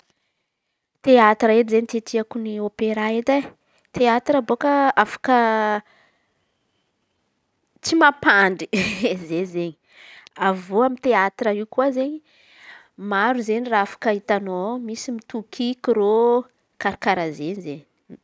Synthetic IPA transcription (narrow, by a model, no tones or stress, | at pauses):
t̪eat̪ɾaed̪izeɲit̪et̪ʰiakuniopeɾaet̪a | t̪eat̪rəbokəafḁkə | t͡simapaɳɖ͡ʐizezeɲi | avoamit̪eat̪rəikuazeɲi | maɾuzeɲiraafḁkəit̪anomisimit̪ukʰikiɾo | kaɾakaɾazeɲizeɲi